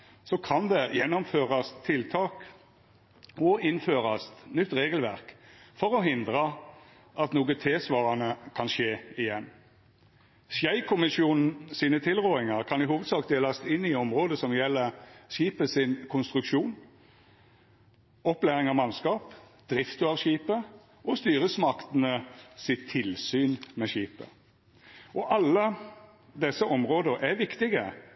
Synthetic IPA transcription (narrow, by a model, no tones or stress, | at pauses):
sɔkʰɑnd̪ɛjɛnːɔmføːʁɑst̪ʰːɪlt̪ʰɑːk | ɔɪnføːʁɑsnʏt̪ːʁeːɡəlʋæʁkfɔʁɔɦɪnd̪ʁə | ɑt̪nuːɡət̪ʰeːsʋɑːʁɑnəkʰɑnʃeːɪjɛn | sjæɪkʰʊmɪsjuːnn̩siːnət̪ʰɪlʁoːɪŋɑʁkʰɑnɪɦuːʋəd̪sɑːkt̪̚d̪eːlɑst̪ɪnːɪɔmʁoːd̪əsɔmjɛlːəʃiːpəsɪnkʰʊnst̪ʁʉkʃuːn | ɔplæːʁɪŋɑʋmɑnskɑːp | d̪̥ɾɪft̪əɑʋɕiːpə | ʔɔst̪yːʁəsmɑkt̪nəsɪt̪ʰːɪlsyːnmɛɕiːpə̰ | ʔɔʔɑlːə | d̪ɛsːəʔɔmɾoːd̪əæʋɪkt̪ɪɡə